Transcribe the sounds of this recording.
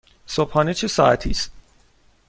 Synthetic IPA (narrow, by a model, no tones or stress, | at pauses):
sophɒːnet͡ʃʰesɒ̰ːæt̪ʰḭːst̪̚